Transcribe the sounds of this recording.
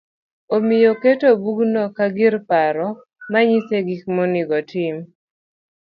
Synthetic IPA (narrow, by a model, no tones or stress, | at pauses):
omɪjoketobuɡnɔkaɡɪɾpaɾɔ | maɲiseɡik̚mɔnɪɡɔtɪm